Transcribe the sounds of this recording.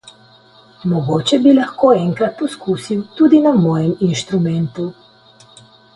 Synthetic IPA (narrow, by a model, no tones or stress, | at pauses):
mɔɡoːt͡ʃɛbilaxkoːɛŋkɾat̪̚pɔskuːsiwt̪uːd̪inamɔːjɛminʃt̪ɾumɛnt̪u